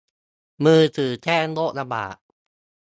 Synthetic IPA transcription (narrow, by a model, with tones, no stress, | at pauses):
mɯː˧t̪ʰɯː˨˩t͡ɕ̪ʰɛː˥˩nlo˦˥k̚la˧ba̰ː˨˩ʔ̚